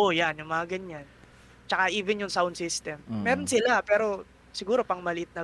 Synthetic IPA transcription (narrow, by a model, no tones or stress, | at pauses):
ʔojanjʊŋmɐŋɐɡɐɲan | t͡ʃɐkaʔiːvɛnjʊŋsawnd̪sist̪ɛmːɛːɾo̞nsɪlapɛːɾo̞ | sɪɡuːɾo̞pɐŋmɐlɪʔɪt̪̚nɐ